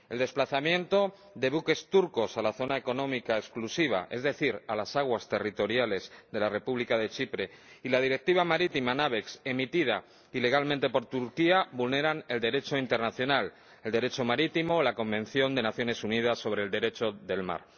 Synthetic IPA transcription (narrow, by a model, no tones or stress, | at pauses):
e̞ld̪e̞splaθamjẽ̞nt̪o̞ | ðe̞βuke̞st̪uɾko̞salaθo̞naeko̞nõ̞mikaesklusiβ̞a̰ʔe̞zðe̞θiɾalasaɣ̞wast̪e̞rit̪o̞ɾjale̞zðe̞lare̞puβlikaðe̞t͡ʃipɾe̞ilað̞iɾe̞k̚t̪iβamaɾit̪imanaβe̞kse̞mit̪iða | ile̞ɣ̞almẽnt̪e̞po̞ɾt̪uɾkiaβulne̞ɾane̞ld̪e̞ɾe̞t͡ʃo̞int̪e̞ɾnaθjo̞nal | eld̪e̞ɾe̞t͡ʃo̞maɾit̪imo̞ːlako̞mbẽ̞n̟θjo̞nd̪e̞naθjo̞ne̞sunið̞asːo̞β̞ɾe̞ːld̪e̞ɾe̞t͡ʃo̞ðe̞lma̰ɾ